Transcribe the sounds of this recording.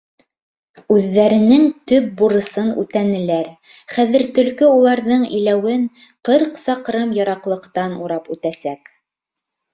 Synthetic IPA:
ʉðːæɾɘ̆nɘŋt̪ɵp̚buɾɤ̆sɤnʉ̰t̪ænɘ̆læɾ | χæðɘ̆ɾt̪ɵ̆lkɵulˠɑɾðɤɴḭlæwɘŋ | qɤɾqsɑqɾɤmjɑɾɑqlˠɤ̆qt̪ɑnuɾɑpʉt̪æsæk

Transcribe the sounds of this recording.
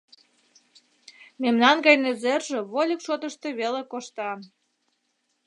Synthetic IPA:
memnɑnɡɑjnĕzerʒĕβolʲəkʃot̪əʃt̪eβelekoʃt̪ɑ

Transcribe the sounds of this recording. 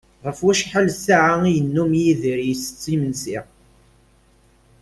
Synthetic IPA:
ʁəfwæʃħalsaʕaijənːumjiðiɾjsə̥t͡sːimənsiʁ

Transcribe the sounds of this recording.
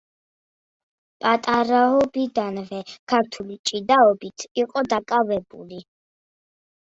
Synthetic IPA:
pʼat̪ʼaɾaɔbid̪anvɛkʰaɾt̪ʰulit͡ʃʼid̪aɔbit̪ʰiqʼɔd̪akʼavɛbṵli

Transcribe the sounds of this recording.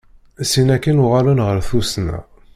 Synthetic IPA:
sinækːənʊʁalunʁəɾθusnæ̰

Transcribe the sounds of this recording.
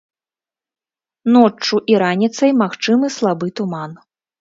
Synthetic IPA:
nɔt͡ʂːuʔiɾanʲit̪sɐjmaxt͡ʂɨmɨslˠabɨt̪uman

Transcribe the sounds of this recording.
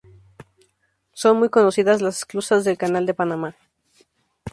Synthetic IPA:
so̞nmujko̞no̞siðazlase̥sklusazðe̞lkanald̪e̞panama

